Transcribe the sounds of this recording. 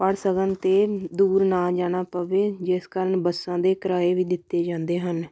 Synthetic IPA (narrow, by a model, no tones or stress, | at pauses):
pəɽsəkənt̪eːd̪uːɾnaːd͡ʒaːɽ̃aːpəʋeːd͡ʒɪskəɾəɳbəsãːd̪eːkəɾaːeːʋiːd̪ɪt̪ːeːd͡ʒãːnd̪eːɦən